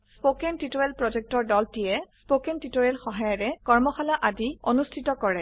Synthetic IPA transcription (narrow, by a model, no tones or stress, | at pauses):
sspokɛntitojɛlpɹɔd͡ʒɛk̚tɔɹdɔltijɛspokentitojɛlxɔɦajaɹɛkɔɹmɔxalaʔadionustʰitɔkɔɹɛ